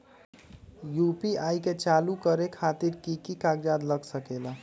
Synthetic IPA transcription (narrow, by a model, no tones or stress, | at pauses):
jupiajket͡ʃalukəɾekʰat̪iɾkikikaɡd͡ʒad̪ləɡsəkela